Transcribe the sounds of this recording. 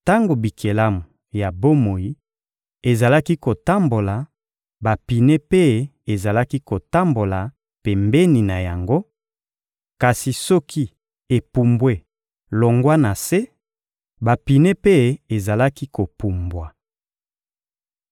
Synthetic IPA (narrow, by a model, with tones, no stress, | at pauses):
ta˦ŋɡo˨bi˨kʰe˨la˦mu˨ | ja˨bo˦mo˨ji˦ | e˨za˨la˦ki˦ko˨ta˦mbo˨la˨ | ba˨pi˨ne˦pe˦ | e˨za˨la˦ki˦ko˨ta˦mbo˨la˨ | pe˨mbe˦ni˨na˨ja˨ŋɡo˦ | ka˨si˨sɔ˦ki˦ | e˨pu˨mbwe˦ | lo˨ŋɡwa˦na˨se˦ | ba˨pi˨ne˦pe˦e˨za˨la˦ki˦ko˨pu˨mbwa˨